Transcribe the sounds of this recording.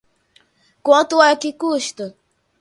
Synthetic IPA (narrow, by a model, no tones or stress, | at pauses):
kwɐ̃t̪ʊakɪkuʃt̪ʊ